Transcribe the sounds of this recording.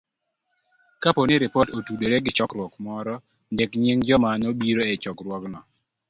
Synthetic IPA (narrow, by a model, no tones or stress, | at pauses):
kaponɪɾɪpɔtotudoɾeɡɪt͡ʃɔkɾwɔkmɔɾɔ | ndekɲiŋd͡ʒɔmanobiɾoɛt͡ʃɔkɾwɔknɔ